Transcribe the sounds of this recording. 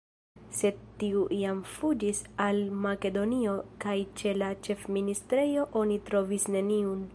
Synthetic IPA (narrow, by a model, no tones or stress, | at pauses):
se̞d̚tiuʔiamfud͡ʒisalmake̞do̞nio̞kajt͡ʃe̞lat͡ʃe̞fministɾe̞jo̞ʔo̞nitɾo̞visne̞niun